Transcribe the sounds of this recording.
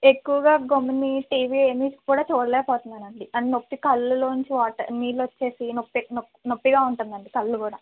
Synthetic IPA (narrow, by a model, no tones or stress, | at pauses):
e̞kːuʋɐɡaːɡomniʈiːʋieːmiːskuːɽaːt͡ʃoːɽɐlɛːkɐpɔːt̪und̪ɐnɐɳɖiɐɳɖinopːikɐlːuloːnuɲt͡ʃiʋaːʈɐmiːlːʋot͡ʃːe̞ːsinopːinopːnopːiɡaːuɳʈund̪ɐɳɖikɐlːukuːɽaː